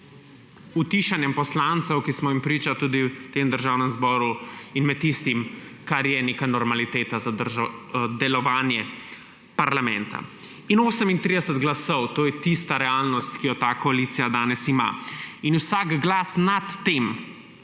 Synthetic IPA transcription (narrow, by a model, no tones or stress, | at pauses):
ut̪iʃanjɛmpɔslant̪sɛwkismɔimpɾiːt͡ʃat̪uːd̪it̪eːmd̪əɾʒaːwnɛmzbɔːɾuinmɛt̪̚tːist̪imkaɾjɛnekanɔɾmalit̪eːt̪azad̪əɾʒad̪ɛlɔʋaːnjɛ | paɾlamɛ̰̃nt̪a̰ | inoːsəmint̪ɾid̪ɛsɛd̪ɡlasɔwt̪oːjɛt̪ist̪aɾɛalnɔst̪kijɔt̪aːkɔaliːt̪sijad̪aːnɛsima̰inusaːkɡlaːsnat̪ːem